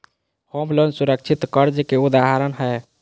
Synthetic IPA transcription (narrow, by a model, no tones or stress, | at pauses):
homlənsuɾək̚t͡ʃʰit̪kəɾd͡ʒekeud̪aɦaɾənɦə